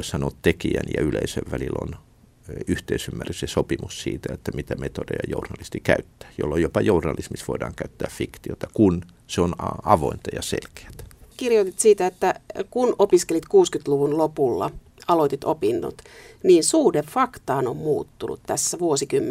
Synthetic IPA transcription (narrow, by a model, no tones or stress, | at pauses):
isɑnot̪t̪ekiæ̰njɑ̰ylḛisøʋʋælilo̰n | yht̪eisymːærysesopimussḭːt̪æet̪ːæmit̪æmet̪odejɑjournɑlist̪ikæyt̪ːæ̥ːjo̰lːojopɑjournɑlismisʋoidɑ̰ːŋkæyt̪ːæːffikt̪iot̪ɑkun | seonɑɑʋoint̪ɑjɑsḛlke̥æ̥t̪kirjot̪it̪siːt̪æet̪ːækunopiskelit̪kuːskyt̪luʋunlopulːɑ̰ | ɑlot̪it̪opinːo̰t̪niːnsuːdeffɑkt̪ɑːnommuːt̪ːunṵt̪t̪æsːæʋuosikymː